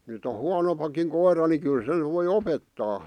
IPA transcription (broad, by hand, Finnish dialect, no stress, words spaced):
nyt o huɑnompɑkiŋ koirɑ ni kyl sen ʋoi opetːɑː